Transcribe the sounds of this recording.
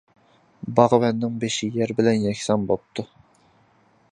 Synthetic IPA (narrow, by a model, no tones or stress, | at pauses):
bɑʁəwɛnːɪŋbeʃɪjɛɾbɪlɛnjɛkʲsɑnbop̚t̪ʰu